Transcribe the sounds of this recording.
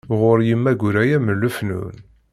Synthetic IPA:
ʁʊɾjimːæɡʷʊɾæjæməlːufnṵn

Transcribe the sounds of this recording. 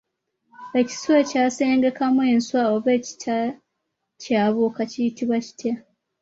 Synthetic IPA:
e̞ci̥swecaːse̞ːŋɡe̞kamwe̞ːnswaoβe̞ːci̥tʰa | caːβokacijitiβwaci̥tʰja

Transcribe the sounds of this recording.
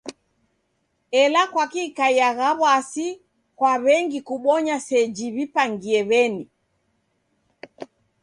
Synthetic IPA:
ɛlakwakikaiaɣaβwasi | kwaβɛŋɡikuɓɔɲasɛd͡ʒiβipaŋɡiɛβɛni

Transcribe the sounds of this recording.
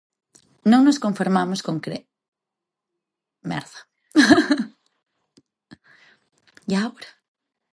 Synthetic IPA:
nõŋnoskõɱfiɾmamʊskõŋkɾe | mɛ̰ɾða | jawɾḁ

